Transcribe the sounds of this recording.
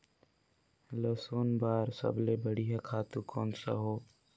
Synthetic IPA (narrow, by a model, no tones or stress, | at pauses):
ləsoːnbaːɾsə̰blebəɽiɦakʰaːt̪ũkoːnsa̰ɦoː